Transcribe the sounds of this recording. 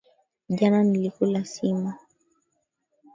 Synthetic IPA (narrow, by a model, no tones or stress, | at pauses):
ʄananilikulasima